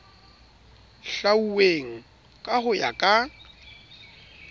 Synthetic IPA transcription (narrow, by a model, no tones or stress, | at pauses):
ɬauweŋ̩ | kʼahʊja̰kʼa